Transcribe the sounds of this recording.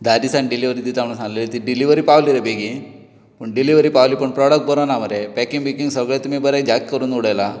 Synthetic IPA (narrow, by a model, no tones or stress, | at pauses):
d̪aːɾisaɳɖiliʋɐɾid̪it̪amɳusanlɐlit̪iɖiliʋɐɾipaːʋliɾɐbeɡi | puɳɖiliʋɐɾipaːʋlipːuɳpɾoːɽɐk̚ʈ̚bɐɾonaːmɐɾepekiŋbikiŋɡsɐɡɭet̪umibɐɾed͡ʒaːkikːɐɾunːuɽejɐla